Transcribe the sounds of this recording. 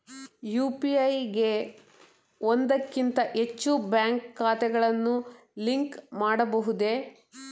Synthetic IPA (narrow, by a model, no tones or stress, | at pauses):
juːpiɐjɡe̞ | ond̪ɐkːint̪ɐʔe̞t͡ʃːubjaːŋkːaːt̪ɛɡɐɭɐnːu | liŋkmaːɽɐbɐɦud̪e̞